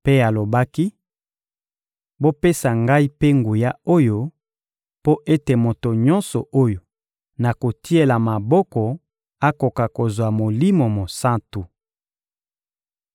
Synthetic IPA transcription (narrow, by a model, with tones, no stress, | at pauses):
pe˦a˨lo˨ba˦ki˦ | bo˦pe˦sa˨ŋɡa˦i˦pe˦ŋɡu˨ja˦o˦jo˦ | po˦ʔe˦te˨mo˨to˨ɲɔ̃˦nsɔ˨ʔo˦jo˨ | na˨ko˨ti˦e˦la˨ma˨bɔ˦kɔ˨ | a˦ko˨ka˨ko˨zwa˨mo˨li˦mo˨mo˨sa˦ntu˨